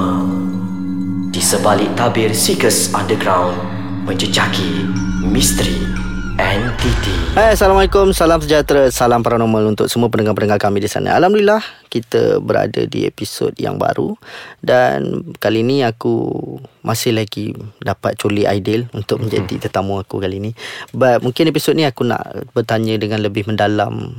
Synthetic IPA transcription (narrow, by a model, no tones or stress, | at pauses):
disəbalɪʔt̪abɪrsikəsãndəɡɾawn | mə̃ɲd͡ʒəd͡ʒakimist̪əɾi | ɛ̃nt̪it̪ihajasalamalɛkʊmsalamsəd͡ʒat̪ɾasalampaɾanomãlunt̪ʊk̚səmuəpənəŋapənəŋalkamĩdisa̰nʔã̰alamduilahkit̪ə̰bəɾa̰də̰dḭḛpisɔ̰t̚ja̰ŋba̰ɾṵda̰nkaliniakṵmʔasɪhlaɡḭdapat̪̚t͡ʃuliʔa̰jdɪlunt̪ʊk̚məɲd͡ʒa̰dḭt̪ət̪amuakukalinibat̪̚muŋkɪnepisɔt̪̚niakuna̰ʔbərt̪aɲə̃dəŋãnləbɪhməndalam